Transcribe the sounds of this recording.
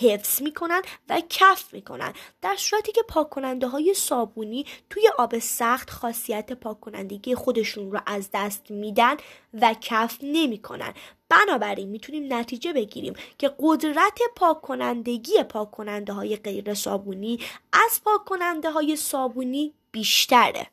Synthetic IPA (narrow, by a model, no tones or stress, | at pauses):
he̞fsz̥miːkʰo̞nænd̪væcʰæfmiːkʰo̞̰næ̰nd̪d̪̥æɾsuːɾæt̪ʰiːcʰe̞pʰɒːkʰːo̞nænd̪eɦɒːje̞sɒːbuːniːt̪ʰuːje̞ʔɒːbe̞sæxt̪xɒːsijæt̪ʰe̞pʰɒːkʰːo̞næ̰nd̪e̞ɟije̞xo̞d̪e̞ʃunrɔʔæzd̪æst̪miːd̪æn | væcʰæfne̞miːkʰo̞̰næ̰nb̥ænɒːbæɾiːnmiːt̪ʰuniːmnæt̪ʰiːd͡ʒe̞be̞ɟḭɾḭːmcʰe̞ɢo̞d̪ɾæt̪ʰe̞pʰɒːkʰːo̞nænd̪e̞ɟiːje̞pʰɒːkʰːo̞nænd̪e̞ɦɒːje̞ɢe̞jɾe̞sɒ̰ːbuniːʔæz̥pʰɒːkʰːo̞nænd̪eɦɒːje̞sɒːbuːniː | b̥iːʃt̪ʰæɾḛ